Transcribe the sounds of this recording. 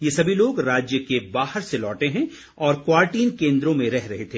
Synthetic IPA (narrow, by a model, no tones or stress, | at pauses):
jesɐbʱiloːɡɾaːd͡ʒjəkebaːhəɾselɔːʈeɦɛ̃ | ɔːɾkwaːɾʈiːnkẽːnd̪ɾõmẽɾɛɦɾɐɦet̪ʰeː